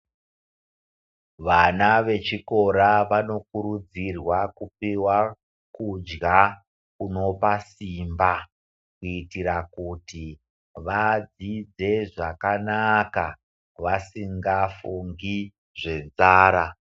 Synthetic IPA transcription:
ʋanaʋe̞t͡ʃiko̞ɾaʋano̞kuɾud͡zirwakupiwa | kud͡ʒɡa | kuno̞pasimba | kuitiɾakuti | ʋad͡zid͡ze̞ʐakanaka | ʋasiŋɡafuŋɡi | ʐe̞nzaːɾa

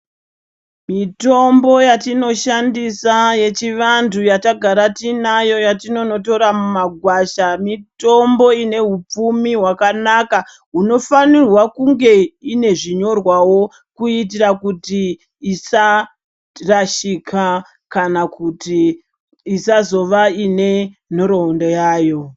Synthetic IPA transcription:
mito̞mbo̞jatino̞ʃandisaje̞t͡ʃiʋantujataɡʱaɾatinajo̞jatino̞no̞to̞ɾamumaɡʱwaʃamito̞mbo̞ine̞ɦup͡fumiɦwakanaka | ɦuno̞fanirwakuŋɡe̞ine̞ʐiɲo̞rwawo̞ | kuit̬irakutiː | sa | raʃikʰa | kanakutiː | sazo̞ʋaine̞n̤oɾoundojaːjo̞

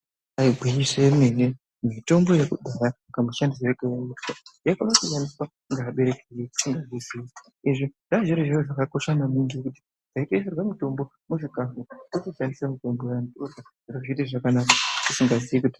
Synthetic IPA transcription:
ajiɡʱwiɲisemene | mito̞mbo̞jekudʱajaŋɡamuʃandis̬ereɡajaitajakanakuʃaniswa | ŋɡaːɓe̞ɾe̞kejeku̥iŋɡazisii | iʐiʐ̥aʒiɾoʒiroʐakako̞ʃanamindikuti̥ | zʱaiteserwamuto̞mbo̞ | muʐikafutokoʃandisamito̞mbo̞jantorwaʐ̥iroʐit̬iʐakanakakusiŋɡaziikuti̥

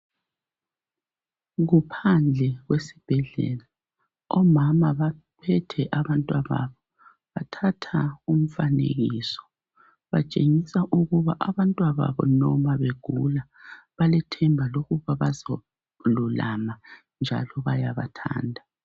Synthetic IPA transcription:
ɣupʰand͡ɮʱɛɣwesib̥ʱɛɮɛ̰ːla | ɔmamaβa | pʰɛtʰɛʔaβantʼwaβa̰βɔ | βatʰatʰaum̩fanḛɣiːsɔ̥ | βat͡ʃʼeŋisaʔuɣuβaʔaβantʼwaβa̰βɔ̰nɔmaβeɡ̥ʱula | βalɛtʰɛmbʱaloɣuβaβazo | lulama | nd͡ʒʱa̰lɔβajaβa̰tʰa̰ːndʱa

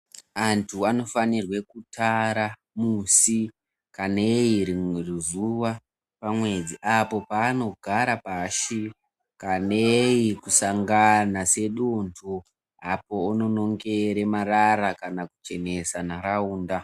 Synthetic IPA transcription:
antʰuano̞fanirwe̞kutaɾa | musi | kanejiɾirizuwa | pamwe̞d͡ziʔapo̞paːno̞ɡʱaɾapaːʃi | kanejikusaŋɡanase̞ɗuntʰu | apo̞uno̞no̞ŋɡe̞ɾemaɾaɾakanakut͡ʃe̞ne̞sanaɾauːnda

